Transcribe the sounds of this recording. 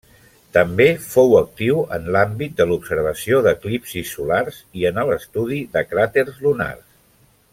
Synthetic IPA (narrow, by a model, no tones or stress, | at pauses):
t̪əmbefowək̚t̪iwə̰nlambit̪̚d̪əlupsəɾβ̞əsioðəklipsisːularziənələst̪uðiðəkɾat̪erzluna̰rs